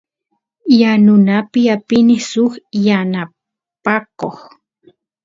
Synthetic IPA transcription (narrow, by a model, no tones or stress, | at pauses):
janʊnapɪapɪnɪsʊχjana | pakoχ